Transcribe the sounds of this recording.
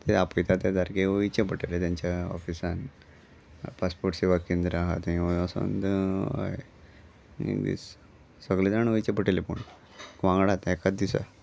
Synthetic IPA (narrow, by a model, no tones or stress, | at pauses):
t̪eapəjt̪at̪jad̪aɾkeʋəit͡ɕepəʈelet̪jãɲt͡ɕjaɔ̰fisãn | paspoɾʈseʋakːẽnd̪ɾaɦa̰t̪ĩaso̰nd̪əa̰e | ḛkd̪ḭs | səɡled̪aɳʋəit͡ɕepəʈelepṵɳ | kʋãŋɡɽat̪ɛkat̪̚d̪isa̰